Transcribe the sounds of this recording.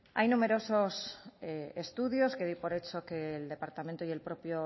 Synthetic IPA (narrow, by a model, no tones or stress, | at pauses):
a̰jnũme̞ɾo̞so̞s | est̪uðjo̞ske̞ðipo̞ɾe̞t͡ʃo̞keːld̪e̞paɾt̪amẽnt̪oie̞lpɾo̞pjo